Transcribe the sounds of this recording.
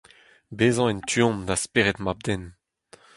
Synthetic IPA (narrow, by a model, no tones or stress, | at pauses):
beːzɑ̃ɛntʰyɔ̃md̪aspeʁɛt̪mab̚d̪ɛn